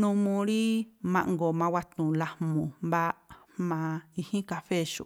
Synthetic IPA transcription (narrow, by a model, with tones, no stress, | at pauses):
nũ˧mũ˧ɾi˦mã̰˧ʔŋɡo˨mã˧wa˧t̪ũ˨la˧hmũ˨mba˦ | mã˧i˧hĩ˦ka˧fe˦˨ʃu˧˨